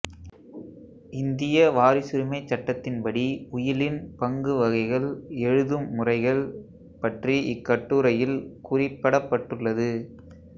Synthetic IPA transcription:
ɪnd̪ɪjɐʋaːɾɪsɪɾɯmɐɪt͡ʃːɐʈːɐt̪ːɪnpɐɽiʊjɪlɪnpɐŋɡɯʋɐɣɐɪɣɐɭɛɻɯðɯmːʊrɐɪɣɐɭ | pɐʈriʔɪkːɐʈːuːɾɐjɪlkʊrɪpːɐɽɐpːɐʈːɯɭːɐðɯ

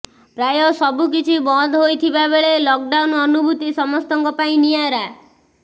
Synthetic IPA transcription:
ɾajɔsɔbuk̬it͡ʃʰibɔd̪ʱɦojt̪ʰibabeɭelɔk̚ɖaunɔnubʱut̪isɔmɔst̪ɔŋkɔpaĩnijaɾa

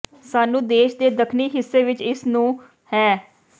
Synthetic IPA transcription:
saːnũːd̪eːʃd̪eːd̪əkʰniːɦɪsːeːʋɪt͡ʃɪsnũː | hɛː

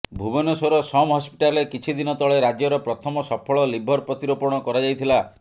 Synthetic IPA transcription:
bʱubɔnɔsoɾɔsɔmɦɔspi̥ʈalekit͡ʃʰid̪inɔt̪ɔɭeɾad͡ʒjɔɾɔpɾɔt̪ʰɔmɔsɔpʰɔɭɔlibʱɔɾpɾɔt̪iɾɔpɔɾɽ̃ɔkɔɾad͡ʒajt̪ʰila

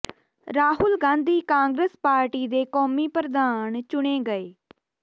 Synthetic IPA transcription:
ɾaːɦʊlɡãːnd̪ʱiːkãːŋɡɾəspaːɾʈiːd̪eːkɔːmiːpɾəd̪aːnt͡ʃʊɽeːɡəeː

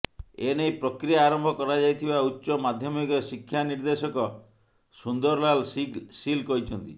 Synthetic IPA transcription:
enejpɾɔkɾijaːɾɔmbʱɔkɔɾad͡ʒajt̪ʰibautːʃɔmad̪ʱjɔmikɔsikʰːjaniɾd̪esɔkɔ | sund̪ɔɾlalsilkɔɦit͡ʃʰɔnt̪i

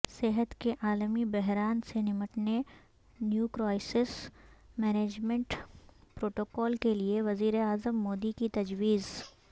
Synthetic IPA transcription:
seɦət̪keʔaːlmibɛɦɾaːnsenɪməʈne | njuːkɾɔːɪsɪsmɛːneːd͡ʒmẽɳʈpɾoːʈoːkɔːlkelieʋɐziːɾeaːzəmːoːd̪ikit̪ɐd͡ʒwiːz

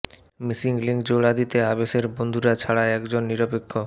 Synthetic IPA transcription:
misiŋɡliŋkd͡ʑoɽad̪it̪eabeʃeɾbond̪ʱuɾat͡ɕʰaɽaɛkd͡ʑonːiɾopekʰːo

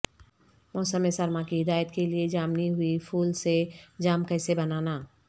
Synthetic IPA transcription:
mɔːsəmesɐɾmakiɦɪd̪aːjət̪kelied͡ʒaːmniɦʊifʰuːlsed͡ʒaːmkɛːsebɐnaːnaː

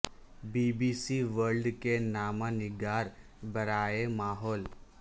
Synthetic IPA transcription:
biːbiːsiʋəɾɖkenaːmãnɪɡaːɾbɐɾaːemaːɦɔːl

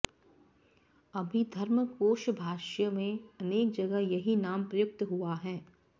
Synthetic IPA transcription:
ɐbʱid̪ʱɐɾməkoːʃbʱaːʃjəmẽɐneːk̚d͡ʒɐɡəɦjɐɦinaːmpɾɐjʊk̚t̪ɦuaɦɛː

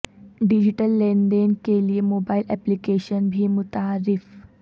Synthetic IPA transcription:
ɖid͡ʑiʈəlːẽɳɖeːnkeliemoːbaːɪlɛplikeːʃənbʱimʊt̪aɾɪf

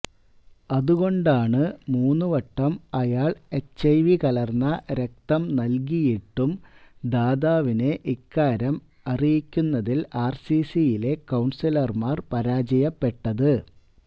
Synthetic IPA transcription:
ɐðuɣo̞ɳɖaːɳɨmuːnːuʋɐʈːɐmɐjaːɭet͡ɕɐjʋikɐlɐrnːɐɾek̚t̪ɐmnɐlk̬ijiʈːumd̪aːðaːʋine̞ʔikːaːɾɐm | ɐrijikʲːunːɐðilaːrsisijile̞kɐwɳsilɐrmaːrpɐɾaːd͡ʑɐjɐpːe̞ʈːɐðɨ

